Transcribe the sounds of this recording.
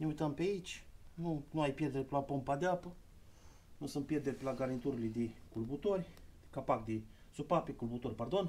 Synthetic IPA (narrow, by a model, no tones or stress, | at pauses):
neujt̪əmpeait͡ʃʲnunuajpjed̪eɾʲpelapompad̪eapə | nusɨn̚pjed̪eɾʲpelaɡaɾint̪uɾlid̪ikulbut̪oɾʲ | kapak̚d̪ɪ | supapekulbut̪oɾʲpard̪on